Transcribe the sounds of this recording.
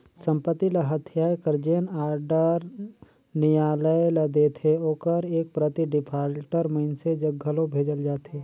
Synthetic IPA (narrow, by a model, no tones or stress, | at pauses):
sə̃mpət̪ːiləɦət̪ʰjaːjkəɾd͡ʒenaːɾɖəɾ | nɪjaːləjlɐd̪eːt̪ʰeoːkəɾeːk̚pɾət̪iɖɪpʰaːlʈəɾməɪnsed͡ʒəɡʱːəlõbʱeːd͡ʒəld͡ʒaːt̪eː